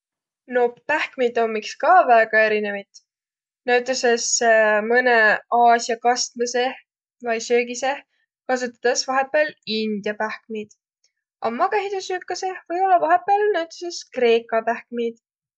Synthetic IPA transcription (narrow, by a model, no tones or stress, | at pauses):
no̞pːpæhkmid̪omːikskɑvæeɡ̥ɑe̞ɾine̞vɑjt̪ | næwt̪ːˑuse̞smɤneɑːsjɑkɑst̪mese | vɑjsøːɡise̞ | kɑs̬ut̪ːˑɑ̥t̪esvɑɦe̞pːˑelind̪̥jɑpæhk̚mid̪̥ | ʔɑmɑkeɦit̪usyːkːˑɑse̞vɤ̞jo̞lːɑvɑɦe̞pːˑelnæwt̪ˑu̥se̞skre̞ːkˑɑpæhk̚mid̪̥